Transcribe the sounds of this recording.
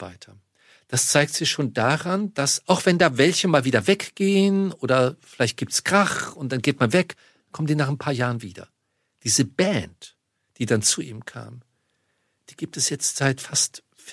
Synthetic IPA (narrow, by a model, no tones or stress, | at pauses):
va̰ɪtʰɐ | d̥ast͡saɪk̚tz̥ɪçʃoːndaːʁand̥asʔaʊxv̥ɛndaːvɛlçəmaːlviːdɐvɛkɡ̥eːənʔoːdɐfɪlaɪçt̚ɡ̥iːptsɡ̥ʁ̥aχʊntd̥anɡeːtmanvɛk | kʰɔmtdiːnaːχnpʰaːɐjaːʁənviːdɐ̰ | d̥iːzəbɛnt | d̥iːdant͡suʔḭːmkʰa̰ːm | d̥iːɡiːp̚tɛsjɛt͡stz̥aɪtfast | f